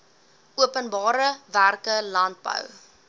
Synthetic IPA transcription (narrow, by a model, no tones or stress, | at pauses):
uəpənbɑːɾəværkəlɐnt̚bə̰w